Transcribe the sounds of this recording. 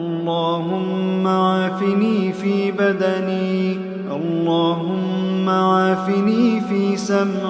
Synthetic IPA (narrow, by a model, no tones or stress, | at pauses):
ʔɑlˤːɑːɦʊmːawaːfɪniːfiːbad̪aniː | ʔɑlːɑːɦʊmːawaːfɪniːfiːsam